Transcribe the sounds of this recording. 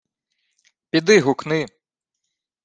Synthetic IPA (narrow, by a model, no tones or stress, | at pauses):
pʲid̪ɪɦʊknɪ